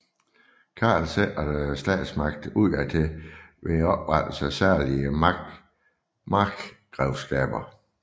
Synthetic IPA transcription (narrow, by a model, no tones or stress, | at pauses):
kʰɑ̰̈ːlseʔædsd̥ɛ̰ːd̥smɑ̈ɡ̥̚d̥uð̰ˠæd̥eʋeɒ̽b̥ʁɑd̥l̩sæsæɐ̰liə | mɑɡ̥ɡ̥ʁɛʊsɡ̥ɛ̰ːb̥ɐ